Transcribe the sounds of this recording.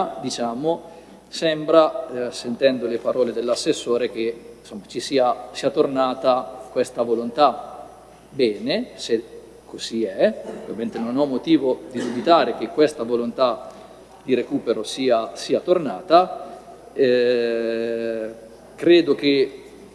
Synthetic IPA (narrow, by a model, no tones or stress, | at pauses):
d̪it͡ʃaːmo | sɛmbɾasent̪ɛnd̪olepaɾɔːled̪elːasːesːoːɾek̟esomːat͡ʃisiːasiːat̪ornaːt̪akwɛst̪avolont̪a | bɛːnese | kʰːoz̥iɛvament̪enonɔmːot̪iːvod̪id̪ubit̪aːɾek̟ekːwest̪avolont̪a | d̪iɾekuːpeɾosiːasiːat̪ornaːt̪a | ɛ | kɾeːd̪ok̟e